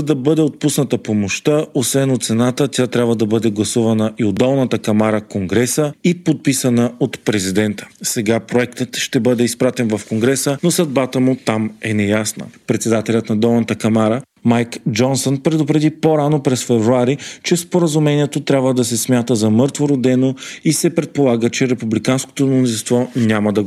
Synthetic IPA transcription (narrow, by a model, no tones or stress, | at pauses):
d̪ɐbɤd̪ɛot̪̚pusnət̪əpomoʃt̪əosvɛnot̪t̪sɛnat̪ət̪ʲat̪ɾʲabvəd̪ɐbɤd̪ɛɡlˠɐsuvɐnəʔiod̪ɔlˠnət̪əkɐmaɾəkoŋɡɾɛsəipot̪̚pisənəot̪pɾɛzid̪ɛnt̪ə̥sɛɡapɾoɛkt̪ət̪ʃt̪ɛbɤd̪ɛispɾat̪ɛnvɐfkoŋɡɾɛsənosɐd̪̚bat̪əmʊt̪amɛnɛjasnə̰pɾɛt̪sɛd̪at̪ɛlʲət̪nɐd̪ɔlˠnət̪əkɐmaɾə | majkd͡ʒɔnsonpɾɛd̪ʊpɾɛd̪ipoɾanopɾɛsfɛvɾuaɾit͡ʃɛspoɾəzumɛniɛt̪ot̪ɾʲabvəd̪ɐsɛsmʲjat̪əzɐmɤɾt̪voɾod̪ɛnoisɛpɾɛt̪̚polˠaɡət͡ʃɛɾɛpublikansko̥t̪omonzinst̪vɔnʲamɐd̪ɐɡ